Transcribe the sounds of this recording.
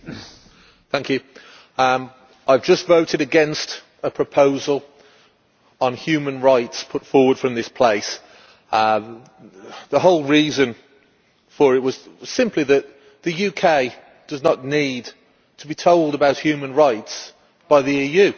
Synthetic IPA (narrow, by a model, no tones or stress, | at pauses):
θæ̃ŋkjʉ | ʔaɪvd͡ʒʌstvoʊɾɨɾɨɡɛ̃nst | əpʰɹ̥əpʰoʊzəlˠ | ə̃nhjʉːmə̃nɹaɪtspʰʊtfɔːɹwəd̥fɹə̃mðɪspʰl̥eɪs | ðəɦoʊlˠɹiːzə̃n | fə˞ɪt̚wʌz̥sɪ̃mpliðəʔ̪ | ðɨjʉkʰeɪ | d̥ʌznətⁿnid | tʰəbitʰoʊlˠdəbaʊʔ̚hjʉmə̃nɹaɪts | b̥aɪðiiːjʉ